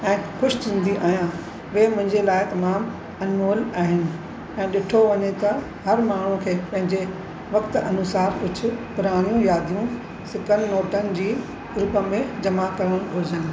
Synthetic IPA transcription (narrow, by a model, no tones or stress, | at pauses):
ɛ̃ːxʊʃɪ̥t͡ɕ̪ʰĩːnd̪iʔaːɦijã | ʋeːmʊ̃ɦɪ̃ɲd͡ʑelaːɪt̪ɐmaːm | ɐnʋoːlaːɦɪnɪ̆ | ɛ̃ːɗɪʈʰoʋɐɲet̪ɐ | ɦɐɾmaːɳ̤ũkʰeːpɐ̃ɦɪ̃ɲd͡ʑe | ʋɐkt̪ɐnʊsaːɾʊd͡ʑʰʊ̆pʊɾaːɽ̃ijũjaːd̪ʱijũ | sɪkənɪ̆ːoːʈənɪ̆d͡ʑiː | ɾʊpə̆mẽd͡ʑɐmakɐɾəɽ̃ʊɾd͡ʑənɪ̆